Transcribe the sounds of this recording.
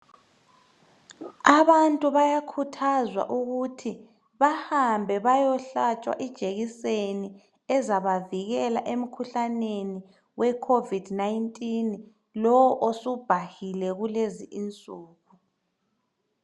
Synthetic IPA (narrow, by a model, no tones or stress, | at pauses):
aβantʼuβajakʰutʰazwa̰ʔuɣutʰi | βahambʱɛβajɔɬat͡ʃʼwa̰ʔid̥ʒ̥ʱeɣiseni | ɛzaβaviɣɛlaʔem̩kʰuɬaneni | wɛkʰovidnaintʼin | lɔwɔʔosub̥ʱahilɛɣuleziʔint͡sʼuːɣu